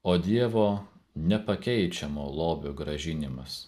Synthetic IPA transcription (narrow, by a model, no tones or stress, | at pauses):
oːd̪ʲiɛʋoːnʲɛpɐkʲɛɪt͡ʃʲɛmoːlˠoːbʲoːɡɾɐʒʲɪnʲɪmɐs